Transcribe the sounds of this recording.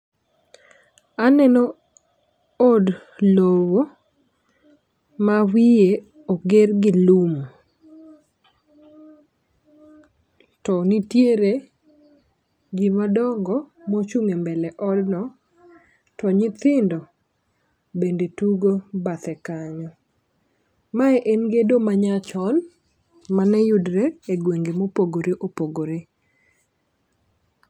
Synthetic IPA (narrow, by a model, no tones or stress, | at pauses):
anɛnɔ | od | lowo | mawije | oɡerɡɪlum | tɔnitjeɾe | ɡimadɔŋɡɔmot͡ʃuŋembɛlɛʔɔdnɔ | tɔɲɪt̪ɪndɔ | bendetuɡobat̪ɛkaɲɔ | maeʔenɡedomaɲat͡ʃɔn | manɛjʊdɾɛːɡweŋɡemopoɡoɾeʔopoɡoɾe